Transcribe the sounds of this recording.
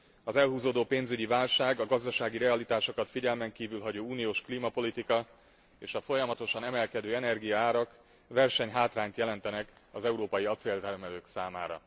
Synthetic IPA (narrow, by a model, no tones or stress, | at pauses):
ɒzɛlɦuːzoːd̪oːpeːnzyɟivaːlʃaːɡɒɡɒzd̪ɒʃaːɡiɾɛɒlit̪aːʃo̞kɒt̪fiɟɛlmɛŋkiːvylɦɒɟoːuːnijoːʃkliːmɒpo̞lit̪ikɒ | eːʃɒfo̞jɒmɒt̪o̞ʃɒnɛmɛlkɛd̪øːɛnɛrɡijɒaːɾɒk | vɛrʃɛɲɦaːt̪raːɲt̪jɛlɛnt̪ɛnɛkɒzɛuɾoːpɒjiɒt̪seːlt̪ɛrmɛløːksaːma̰ːɾɒ̰